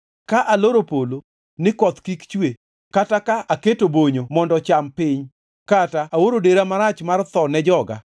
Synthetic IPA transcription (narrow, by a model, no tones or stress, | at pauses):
kaʔaloɾopolo | nɪkɔt̪kikt͡ʃwe | katakaʔaketoboɲomɔndɔt͡ʃampɪɲ | kataʔawoɾodeɾamaɾat͡ʃmart̪ɔnɛd͡ʒɔɡa̰